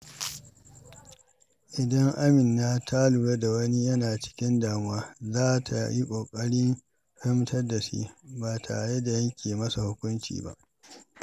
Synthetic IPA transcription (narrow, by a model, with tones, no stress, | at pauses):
ʔɪ˨dɐ˦ŋʔa˦mɪ˨nːa˦tʰa˦lu˨ɽe˦da˨wɐ˦ni˦jɐ˦naː˨t͡ʃɪ̥˦kʲɪ˦ndaː˨m˦waː˦zaː˦tʰa̰˨ji˦kʷʼoː˨kʼɐ˦ɽɪ˦ŋ | ɸɪ˦mtɐ˦rda˨sḭ˦baː˨tʰa˨ɽe˦da˨jɐ˦ŋkʲʰeː˨mɐ˦sa˨hʊ˦kʷʊ˦nt͡ʃḭː˨ba̰˦ʔ